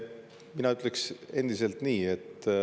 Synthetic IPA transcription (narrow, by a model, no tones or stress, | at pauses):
minɑyt̪ːˑlekse̞nd̪̥ise̞lt̪niːe̞t̪ː